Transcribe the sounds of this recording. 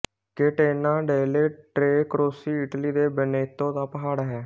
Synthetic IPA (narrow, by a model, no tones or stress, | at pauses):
keːʈeːnãːɖeːleːʈɾeːkəɾoːsiːɪʈliːd̪eːbəneːt̪õːd̪aːpəɦaːɽɦɛː